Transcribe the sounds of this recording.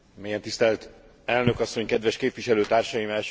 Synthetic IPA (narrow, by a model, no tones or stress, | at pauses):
mieːjɛnt̪ist̪ɛlt̪ | ɛlnø̞kɒsːo̞ɲkɛd̪ʋɛʃkeːpvʋiʃɛløːt̪aːrʃɒjimɛlʃ